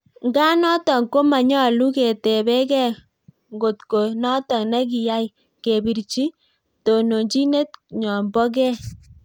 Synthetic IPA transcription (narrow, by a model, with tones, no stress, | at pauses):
ŋɡa˦nɔ˦tɔ˨ŋko˦ma˨ɲɔ˦˨lu˦ke˨te˨bɛ˦kɛ˦ | ŋɡo˨tko˨nɔ˦tɔ˨ŋna˦k̬i˨ja˦j | ke˨bi˨ɾt͡ʃi˦ | to˨no˨ɲt͡ʃi˦ne˦t̚ɲɔ˨mbɔ˦k̬ɛ˦